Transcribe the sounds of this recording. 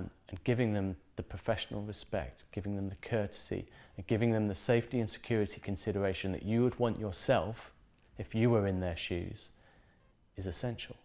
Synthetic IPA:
mɨ̃nɡɪvɪ̃ŋðɨ̃mðɨpʰɹ̥əfɛʃnl̩ˠɹɨspɛ̰k̚tɡ̥ɪvɪ̃ŋðə̃mðɨkʰɜ˞ɾɨ̥sḭɨ̃nɡɪvɪ̃ŋðɨ̃mðɨseɪftiɨ̃nsɨ̥kʰj̥ʊɹɨɾikʰɨ̃nsɪɾə˞eɪʃɨ̃nðɨ̰t͡ʃɨwəd̚wɑ̃nt͡ʃə˞sɛlˠf | ɨfjɨwə˞ɪ̃nðə˞ʃʉ̰z̥ | ɨzɨsɛ̃nʃl̩ˠ

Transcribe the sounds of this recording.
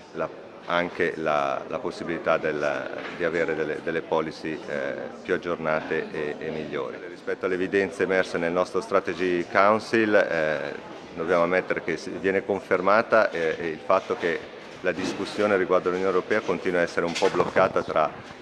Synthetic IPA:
la | aŋkela̰la̰posːibilit̪ad̪el̰d̪iaveːɾed̪elːḛd̪elːepɔːlisipjuad͡ʒːornaːt̪eʔeemːiʎːo̰ːɾḭrispɛt̪ːoalːevid̪ɛnt̪semɛrsenelnɔst̪ɾost̪ɾat̪ed͡ʒikawnsil | d̪objaːmoamːet̪ːeɾek̟esvjɛːnekoɱfermaːt̪aʔeilfat̪ːok̟e | lad̪iskusːjoːneɾiɡward̪oalunjoːnewɾopɛːakont̪iːnwaɛsːeɾeumpɔblokːaːt̪at̪ɾa

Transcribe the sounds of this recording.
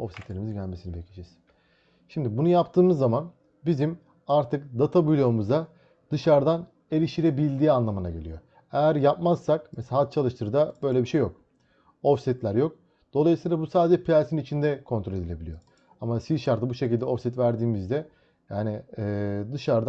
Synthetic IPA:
ofsit̪lʲe̞ɾimizɟælʲme̞sinibecʰid͡ʒɛz | ʃimd̪ibunujapt̪ʰɯːmɯzːaman | bizim | aɾt̪ʰɯk̚d̪at̪ʰabujlʲomuzd̪a | d̪̥ɯʃaɾd̪an | e̞lʲiʃt̪iɾebilʲd̪iːanlˠamɯna̰ɟe̞̰lʲḭjo̞ | ejæɾjapmazsakmesat̪̚t͡ʃʰalˠɯʃt̪ʰɯɾd̪abø̞jlʲe̞biʃe̞jːo̞k̚ | o̞fsɛt̪lʲæɾjo̞k̚ | d̪̥o̞lˠajɯsɯːlˠabusaːd̪ed͡ʒɛpʰialʲsinit͡ʃʰind̪ɛkʰo̞nt̪ʰɾo̞lʲe̞d̪ilʲe̞bilʲijo̞ | amasizʃaɾt̪ɯbuʃe̞cilʲd̪ɛo̞fsit̪væɾd̪iːmizd̪ɛ | jaːniː | d̪ɯʃaɾd̪a

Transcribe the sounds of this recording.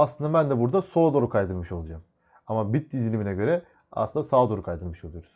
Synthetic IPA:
aslɯnd̪abænd̪ɛbuɾd̪aso̞ːd̪o̞ɾukʰajd̪ɯɾmɯʃo̞lˠad͡ʒam | amabit̪̚d̪izilʲiminɛɟø̞ɾɛ | a̰slɯnasaːd̪o̞ɾukʰajd̪ɯɾmɯʃo̞lˠujo̞ɾuz̥

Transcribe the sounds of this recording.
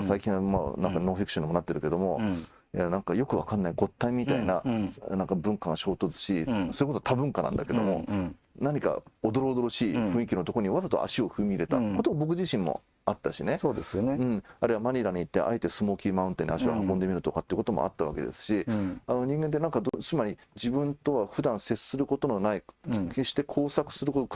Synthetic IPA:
saikʲĩɰ̃ma̰nãŋkano̞ːɸʲikɯ̟̥ɕoɲimo̞nat̪ːe̞ɾɯ̟ke̞d̪o̞mo̞ | anãŋkajo̞kɯ̟βakanːaiɡo̞t̪ːaimʲit̪ainanãŋkabɯ̟̃ŋkaɡaɕo̞ːt̪o̞t͡sɨ̥ɕiso̞ɾiko̞t̪ot̪ʰabɯ̟̃ŋkanã̰nd̪ake̞d̪o̞mo̞̰ | naɲ̟ika̰od̪o̞ɾo̞ːd̪o̞ɾo̞ɕiːɸɯ̟̃ɰ̃ikʲino̞t̪o̞koɲ̟iβazat̪o̰a̰ɕio̞ɸɯ̟mʲiɾe̞t̪a̰ko̞t̪obo̞k̬ɯ̟ʑiɕĩmːo̰ | at̪ːaɕine̞soːd̪esɨoneɯ̟̃ɴaɾɯ̟βamaɲ̟ʲiɾaɲ̟iːt̪ːe̞̰ʔa̰et̪e̞sɨmo̞ːkʲiːmãɯ̟̃nt̪enḭaɕiβa̰hakõ̞nd̪e̞mʲiɾɯ̟t̪o̞kat̪ːeiɯ̟ko̞t̪o̞mo̰a̰t̪ːaβa̰ke̞̰d̪e̞̰sɨ̥ɕiano̞ɲ̟ĩŋɡe̞nt̪̬enãŋkad̪ot͡sɨmaɾʲid͡ʑibɯ̟̃nt̪o̞βaɸɯ̟d̪ãɰ̃se̞sɨ̥sɨɾɯ̟kot̪o̞no̞naike̞ɕi̥t̪e̞kʰo̞ːsakɯ̟̥sɨɾɯ̟kot̪o

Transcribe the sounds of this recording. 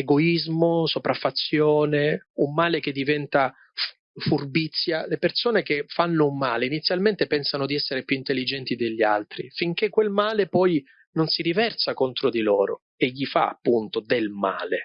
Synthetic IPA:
eɡoizmosopɾafːat̪sːjoːneumːaːlek̟ed̪ːivɛnt̪a | furbit̪sːjalepersoːnekefːanːoumːaːleinit̪sːjalment̪epɛnsanod̪iɛsːeɾepjuint̪elːid͡ʒɛnt̪id̪eʎːia̰lt̪ɾḭfiŋk̟ekːwelmaːlepɔj | nonsiɾivɛrsakont̪ɾod̪ilɔːɾo̰ | eʎːifa̰a̰pːunt̪od̪elma̰ːle

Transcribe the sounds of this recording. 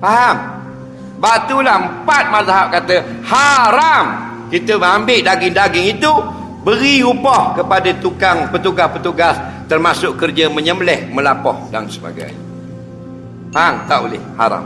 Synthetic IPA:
faɦaŋ | bat̪ulahəm̩pat̪̚mat̪aɦap̚kat̪əhaɾam | kit̪əməambɪʔdaɡɪŋdaɡɪŋit̪u | bəɾiupɔhkəpadat̪ukaŋpət̪uɡaspət̪uɡast̪ərmasʊʔkərd͡ʒəməɲəmlɛhməlapɔ̰hda̰nsəba̰ɡa̰j | faɦaŋt̪aʔolɪ̰hha̰ɾa̰m

